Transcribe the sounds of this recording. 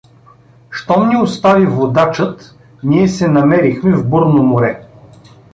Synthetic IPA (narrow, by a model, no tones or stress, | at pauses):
ʃt̪ɔmnʲiost̪avivod̪at͡ʃət̪ | niɛsɛnɐmɛɾixmɛvbɤɾnomʊɾɛ